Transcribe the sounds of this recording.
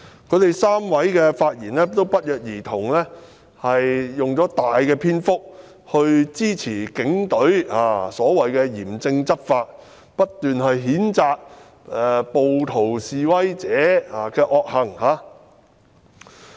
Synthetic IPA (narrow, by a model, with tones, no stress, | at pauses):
kʰɵ˨˧˥t̪e˨jsaː˥mwɐ˨˥jkɛː˧faː˧t̚jiː˨˩nlɛː˥t̪o˥wpɐ˥t̚jœː˨k̚jiː˨˩t̪ʰʊ˨˩ŋlɛː˥ | hɐ˨jːʊ˨ŋt͡sɔː˨˥t̪aː˨jkɛː˧pʰiː˥nfʊ˥k̚ | hɵ˧ɥt͡siː˥t͡sʰiː˨˩kɪ˨˥ŋt̪ɵ˨˥ɥaː˨˧sɔː˨˥wɐ˨jkɛː˧jiː˨˩mt͡sɪ˧ŋt͡sɐ˥p̚faː˧t̚ | pɐ˥t̚t̪yː˨nɦɐ˨jɦiː˨˥nt͡saː˧k̚ | ɛ˨po˨wt̪ʰo˨˩wsiː˨wɐ˥jt͡sɛː˨˥a˨kɛː˧ʔɔː˧k̚hɐ˨˩ŋhaː˨˧